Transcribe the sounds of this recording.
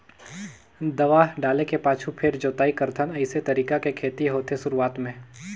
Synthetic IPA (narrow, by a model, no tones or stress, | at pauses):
d̪ɐʋaːɦɖaːlekepaːt͡ʃʰupʰɪɾd͡ʒoːt̪aːikɐɾt̪ʰənɐɪset̪ɐɾiːkakekʰeːt̪iɦoːt̪ʰesʊɾuaːt̪mẽː